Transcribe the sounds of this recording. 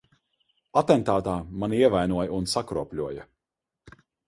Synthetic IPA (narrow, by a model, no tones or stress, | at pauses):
at̪ɛnt̪aːt̪aːmaniɛvajnuɔjaunsakɾuɔpʲlʲuɔjɐ